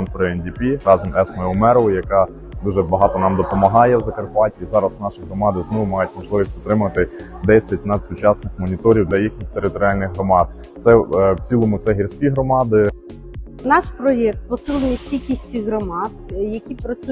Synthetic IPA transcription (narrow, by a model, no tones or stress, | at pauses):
npɾɔɛnʲdʲipʲiɾɑzɔmɛsmɛɔmɛɾɔɔjɐkɑ | d̪uʒɛbɐɦɑt̪ɔnɑmd̪ɔpɔmɐɦɑjɛwzɐkɐrpɑtʲiːzɑɾɐsnɑʃiɦɾɔmɑd̪ɪznɔʋʊmɑjʊtʲmɔʒlˠɪʋʲisʲtʲɔt̪ɾɪmɐt̪ɪ | d̪ɛsʲɐt̚ʲnɑd̪sʊt͡ʃɑsnɪxmɔnʲit̪ɔɾʲiwd̪lʲɐjixnʲixt̪eɾɪt̪ɔɾʲiɑlʲnɪɣɦɾɔmɑd̪̚ | t̪sɛwt͡sʲilˠɔmʊt̪sɛɦʲirʲsʲkʲiɦɾɔmɑd̪ɪ | nɑʃpɾɔjɛk̚t̪̚pɔsɪlˠenʲisʲtʲilʲkʲisʲiɦɾɔmɑd̪jɐkʲipɾɔ